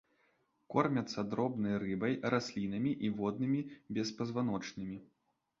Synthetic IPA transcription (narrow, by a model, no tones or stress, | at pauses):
kɔrmʲɐt̪sːɐd̪ɾɔbnɐjrɨbɐjɾʔasʲlʲinɐmʲiʔivɔd̪̚nɨmʲibʲɛspɐzvan̪ɔt͡ʂnɨmʲi